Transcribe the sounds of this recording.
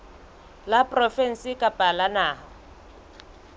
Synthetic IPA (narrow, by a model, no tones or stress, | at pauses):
lapʼrɔfɛn̩sɪkʼapʼalanaːɦa